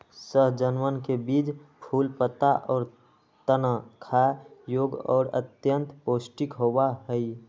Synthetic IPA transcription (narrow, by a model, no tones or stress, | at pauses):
səɦd͡ʒənʋənkebiːd͡ʒpʰuːlpət̪aʔɔːɾ | t̪ənəkʰajoːɡɔ̰ːɾə̰t̪jə̃nt̪poːsʈɪkɦowaɦəi